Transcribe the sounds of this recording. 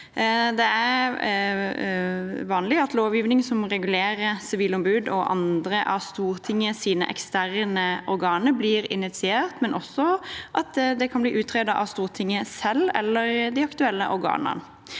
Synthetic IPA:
d̪ɛæɾ | ʋɑːnlɪɑt̪loːʋjiːʋnɪŋsɔmʁɛɡʉleːɾəsɪʋiːlɔmbʉːd̪ɔʔɑ̰nd̪ɾəʔɑst̪uːʁt̪ʰɪŋːəsiːnə̰ʔɛ̰kst̪æʁnəʔɔɾɡɑːnəbliːɾɪnɪt̪sɪeːʁt̪mɛnʔɔsːɔʔɑt̪d̪ɛkʰɑnbliːʔʉːt̪ʰʁeːd̪ɑʔɑ̰st̪uːʁt̪ʰɪŋːəsɛlɛ̰lːəɾd̪ɪɑkt̪ʉɛlːəʔɔɾɡɑ̰ːnɑ̰n

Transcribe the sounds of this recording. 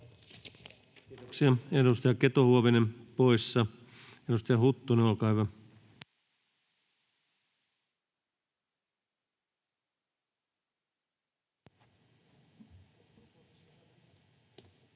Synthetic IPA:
itoksiɑedust̪ɑjɑket̪ohuoʋenempoisːɑ | eɾust̪ɑjɑhut̪ːuneolkɑiʋɑ

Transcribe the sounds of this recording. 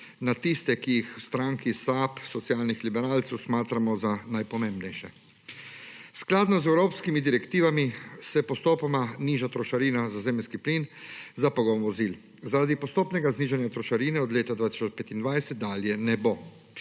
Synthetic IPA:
nat̪ist̪ɛkijixwst̪ɾaːŋkisaːpsɔt̪sijaːlnixlibɛɾaːlt̪sɛwsmaːt̪ɾamɔzanajpɔmẽmbnɛjʃɛ | sklaːd̪nɔzɛwɾoːpskimid̪iɾɛkt̪iːʋamisɛpɔst̪oːpɔmaniːʒat̪ɾɔʃaɾiːnazazeːmlskiplinzapɔɡɔnʋɔziːl | zaɾad̪ipɔst̪oːpnɛɡazniːʒanjat̪ɾɔʃaɾiːnɛɔd̪leːt̪ad̪vʋaːt̪i̥sɔt͡ʃpɛt̪ind̪ʋajsɛt̪̚d̪aːljɛnɛbo

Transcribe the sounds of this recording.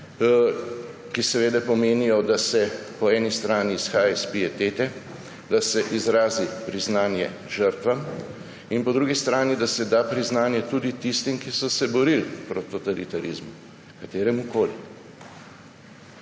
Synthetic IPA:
kisɛʋeːd̪ɛpɔmeːnijɔd̪asɛpɔɛːnist̪ɾaːniːsxaːjaispiɛt̪eːt̪ɛ | d̪asɛʔizɾaːzipɾiznaːnjɛ̰ | ʒəɾt̪ʋam | inpɔd̪ɾuɡist̪ɾaːnid̪asɛd̪aːpɾiznaːnjɛt̪ud̪it̪ist̪imkisɔsɛbɔɾilpɾɔt̪ːɔt̪alit̪aɾizmu | kat̪eːɾɛmukoːli

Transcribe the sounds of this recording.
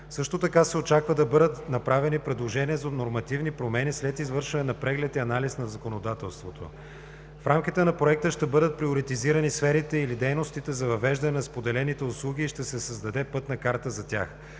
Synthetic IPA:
sɤʃt̪ot̪ɐkasɛot͡ʃakvəd̪ɐbɤd̪ət̪nɐpɾavɛnipɾɛd̪lˠoʒɛniɛzonoɾmɐt̪ivnipɾomɛnislɛt̪izvɤɾʃvɐnɛnɐpɾɛɡlɛt̪iɐnalisnɐzɐkonod̪at̪ɛlˠst̪vot̪ʰo̰ | fɾʔamk̟it̪ɛnɐpɾoɛk̚t̪əʃt̪ɛbɤd̪ət̪̚pɾioɾit̪iziɾənisfɛɾit̪ɛilid̪ɛjnost̪it̪ɛzɐvɐvɛʒd̪ɐnɛnɐspod̪ɛlɛnit̪ɛʊslˠuɡ̟ʲiːʃt̪ɛsɛsɐzd̪ɐd̪ɛpɤt̪nɐkaɾt̪əzɐt̪ʲa̰x

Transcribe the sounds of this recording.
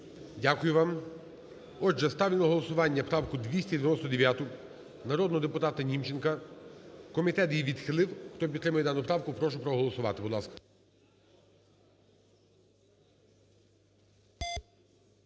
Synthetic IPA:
dʲakʊjʊʋɑm | ɔʒɛst̪ɑwlʲɪnˠɔɦɔlˠɔsʊʋɑnʲːɐpɾɑwkʊd̪ʲʋʲisʲtʲɐd̪ʲeʋʲjʲɛnɔst̪ɔd̪eʋʲjat̪ʊ | nɐɾɔd̪nɔɦɔd̪epʊt̪ɑt̪ɐnʲimt͡ʃenkɐ | kɔmʲit̪ɛt̪jiʋʲid̪xɪlˠɪwxt̪ɔpʲt̪ːɾɪmʊjɛd̪ɑnʊpɾɑwkʊpɾɔʃʊpɾɔɦɔlˠɔsʊʋɑ̰t̪ɪbʊd̪lˠɑ̰skɐ̥

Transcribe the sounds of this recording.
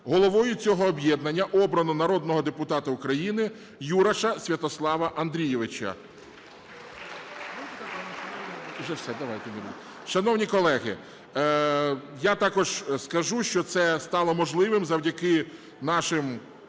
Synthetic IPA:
ɦɔlˠɔʋɔjʊt͡sʲɔɦɔːbʲjɛd̪nɐnʲːɐʔɔbɾɐnʊnɐɾɔd̪nɔɦɔd̪epʊt̪ɑt̪ɐʊkɾɐjinɪ | juɾɐʃɐsʲʋʲɐt̪ɔslˠɑʋɐʔɐnd̪ɾʲijɛʋɪt͡ʃɐ̰ | t̪ɐanʃɐnʒɛwsɛd̪ɐʋɑjt̪ɛnʲiɾʲ | ʃɐnɔwnʲikɔlˠɛɦɪ̰ | jat̪ɑkɔʒskɐʒuʃt͡ʃɔt̪sɛst̪ɑlˠɔmɔʒlˠɪʋɪmzɐwdʲɐkɪ | nɑʃɪm

